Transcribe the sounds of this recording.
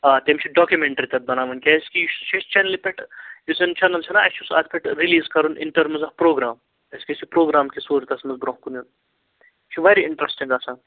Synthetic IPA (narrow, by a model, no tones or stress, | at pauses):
aːt̪emt͡ʃʰiɖɔːkʲjumeɳʈɐɾit̪ɐt̪̚bɐnaːʋɐnkʲesʲkijuʃt͡ʃʰest͡ʃʰɐnlipʲeʈjusent͡ʃʰɐnɐlt͡ʃʰɐnaɐt͡ʃʰusa̰t̪ʰpʰʲeʈɾiliːzkɐɾunʔḭnʈɐɾmzɐfpɾoːɡɾaːm | ɐskʲisipɾoːɡɾaːmkisuːɾt̪ɐsmɐzbɾõːɦkunjun | t͡ʃʰiʋɐɾiɪɳʈɾesʈiŋɡasaːn